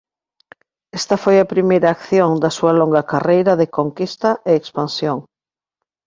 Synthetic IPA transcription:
est̪ɐfojɐpɾimejɾɐːkθjoŋd̪ɐsuɐloŋɡɐkarejɾɐðekoŋkist̪ɐʔeːkspansjoŋ

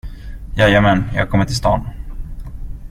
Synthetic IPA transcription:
jɑjɛmɛnjɑːɡkɔmːəʈʰɪlst̪ɑ̰ːn

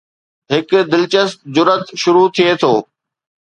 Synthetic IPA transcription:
ɦɪkd̪ɪlt͡ɕəst̪̚d͡ʑʊɾət̪ʃʊɾut̪ʰiet̪ʰoː

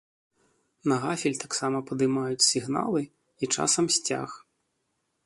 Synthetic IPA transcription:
nɐɣafʲilʲt̪aksamɐpɐd̪ɨmajut͡sʲsʲiɣna̰lˠɨ | it͡ʂa̰sɐmsʲt͡sʲa̰x

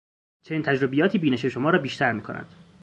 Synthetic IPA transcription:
t͡ʃʰe̞niːnt̪ʰæd͡ʒɾobejɒːt̪ʰiːbiːneʃeʃomɒːɾɒːbiːʃt̪ʰæɾmiːkʰo̞næ̰nd̪̥

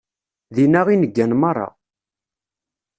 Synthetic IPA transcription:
ðinæʁinəɡːænmɑrˤːɑ̰

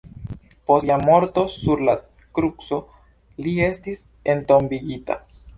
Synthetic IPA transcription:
po̞samo̞ɾto̞suɾla | kɾukso̞ | lie̞stis | e̞nto̞mbiɡita̰

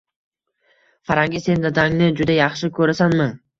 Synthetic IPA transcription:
faɾaŋɡʲɪse̞nd̪ad̪aŋnɪd͡ʒʊd̪ajɑχʃɪkʰɵɾasanmɪ

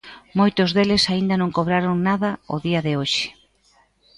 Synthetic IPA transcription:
mojt̪ʊzðelɪsaind̪ɐnõŋkoβ̞ɾaɾoŋnaðɐʊ̰ðiɐðɪoʃɪ̥

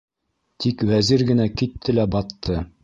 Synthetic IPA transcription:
t̪ʰikwæziɾɡɘ̆nækit̪ʰːɘlæbɑt̪ʰːɤ

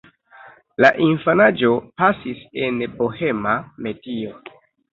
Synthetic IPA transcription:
laʔinfanad͡ʒo̞pasise̞nbohe̞mame̞dio

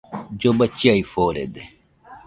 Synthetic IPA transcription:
d͡ʑobɐt͡ɕiaifoːɾḛd̪e

